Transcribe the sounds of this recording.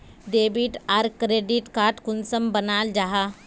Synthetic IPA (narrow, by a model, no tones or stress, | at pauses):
ɖeːbiʈaɾkɾeːɖiʈkaːɾʈkʊnsəmbənaːld͡ʒaɦa